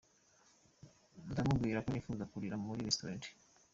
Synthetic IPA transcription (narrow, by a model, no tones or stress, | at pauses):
nutamuɡɡwiːɾakonifuzakuɾiɾammuɾiɾestuɾaːnte̥